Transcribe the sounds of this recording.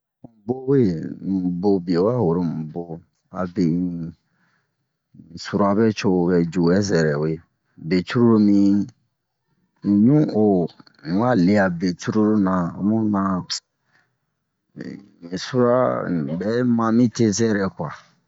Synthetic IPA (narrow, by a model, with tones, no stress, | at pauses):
ũ˨bo˦we˦m̩˨bo˦bi˨e˨wa˦ho˨ɾo˦m̩˨bo˨ | a̰˨be˨ | su˨ɾa˨bɛ˦t͡ʃo˦˨bɛ˨d͡ʒu˨wɛ˦zɛ˨ɾɛ˨we˨ | be˨t͡ʃu˦ɾu˦ɾu˦mĩ˦˨ | ɲũ˦õ˨ | wa˦le˨a˨be˨t͡ʃu˦ɾu˦ɾu˦nã˨˦mũ˦nã˨ | su˦ɾa˦˨bɛ˦mã˦mĩ˦te˦zɛ˦ɾɛ˨kwa˨